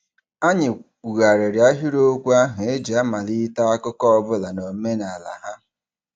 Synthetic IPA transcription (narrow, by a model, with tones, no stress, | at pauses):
a˦ɲɪ˨ | ɣa˨ɾe˨ɾja˦ɦi˦ɾo˦kʷu˦a˦ɦʊ˨e˦d͡ʒi˨a˦ma˨li˦ta˦a˦kʊ˦kɔ˦ɔ˦bʊ˦la˨no˨m̩˦me˦na˨la̰˨ɦa˦